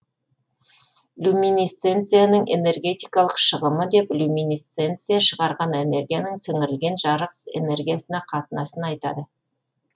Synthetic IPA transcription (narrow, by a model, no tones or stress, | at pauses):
lʲumʲinist̪se̞nt̪sɨjanəɴʔe̞̰ne̞rɡʲe̞t̪ijkɑlˠəqʃəʁəməd̪e̞plʲumʲinist̪se̞nt̪sɨjaʃəʁɑɾʁɑne̞ne̞ɾɡʲijanəŋsɪŋɪɾɪlɡʲe̞nʒɑɾəqse̞̰ne̞rɡʲijasənɑqʰɑt̪ənɑsənɑjt̪ɑ̰d̪ə